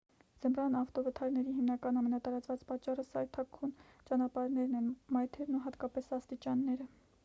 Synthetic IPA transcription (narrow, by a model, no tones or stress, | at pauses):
z̥əmrɑnɑft̪ɔvət̪ʰɑɾnɛɾiɦimnɑkɑnɑmɛnɑt̪ɑɾɑt͡svɑt͡spɑt͡ʃːɑrəsɑɾt̪ʰɑkʰːunt͡ʃɑnɑpɑɾnɛɾnɛnmɑjt̪ʰɛɾnuɦɑt̪kɑpɛsɑst̪it͡ʃɑnːɛɾə